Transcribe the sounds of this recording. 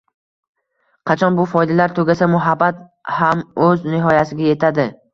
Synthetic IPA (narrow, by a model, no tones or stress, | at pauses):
qʰɑt͡ʃʰɒnbʊfɒjd̪alaɾt̪ʰɵɡʲasamʊɦabːat̪̚ | hamɵznɪɦɒjasɪɡʲaje̞t̪ʰad̪ɪ